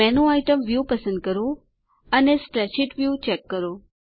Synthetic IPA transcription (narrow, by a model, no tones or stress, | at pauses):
ɛnoajʈəmʋjupəsə̃nd̪̚kəɾo | ənesʈɾɛt͡ʃiʈʋjut͡ʃɛkːəɾo